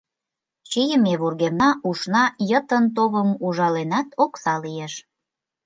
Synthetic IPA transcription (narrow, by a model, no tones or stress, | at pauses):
t͡ɕijəmeβurɣemnɑʔuʃnɑjət̪ənt̪̬oβəmuʒɑlenɑt̪ʰoksɑlieʃ